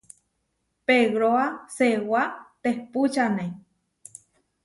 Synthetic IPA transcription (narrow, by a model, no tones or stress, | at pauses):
peɣɾoasewat̪ehput͡ʃanẽ